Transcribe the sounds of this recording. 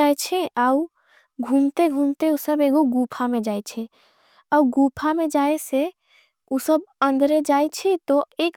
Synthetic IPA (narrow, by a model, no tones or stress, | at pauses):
aɛt͡ʃʰɛau | ɡʱumt̪eɡʱumt̪eusəbeɡoɡupʰamẽd͡ʒaet͡ʃʰɛ | auɡupʰamẽd͡ʒaese | usəbə̃nd̪ʱɾed͡ʒaet͡ʃʰɛt̪oeːk